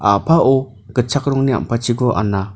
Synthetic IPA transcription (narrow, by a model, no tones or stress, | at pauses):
a̰pʰaʔɔ | ɡ̥ət͡ʃʰakɾɔŋnia̰mpʰat͡ʃiɡɔʔa̰nːa